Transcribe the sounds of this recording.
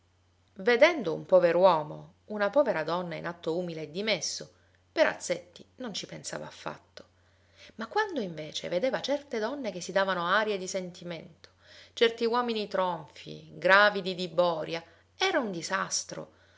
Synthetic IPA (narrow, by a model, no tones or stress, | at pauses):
ved̪ɛnd̪oṵmpɔːveɾowɔːmo̰ | unapɔːveɾad̪ɔnːaḭnat̪ːouːmileːd̪ːimesːo | peɾa̰t̪sːet̪ːinont͡ʃipensa̰ːva̰ːfːa̰t̪ːo̥ | makːwand̪oiɱveːt͡ʃḛved̪eːvat͡ʃɛrt̪ed̪ɔnːek̟esːid̪aːvanoaːɾjed̪isent̪iment̪o̥t͡ʃɛrt̪iwɔːminit̪ɾoɱfḭɡɾaːvid̪id̪ibɔːɾja | ɛːɾaund̪izast̪ɾo̰